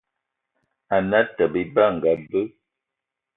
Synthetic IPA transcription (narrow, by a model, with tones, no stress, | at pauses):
a˨na˦tə˨bə˦ba˦˨ŋ˨ɡa˨bə˦